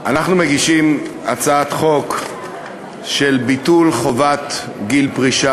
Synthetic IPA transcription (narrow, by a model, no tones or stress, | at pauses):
ʔanaχnumeɡiʃimat͡saat̪χo̞k | ʃelbitulχo̞vat̪ | ɡilpʁiʃa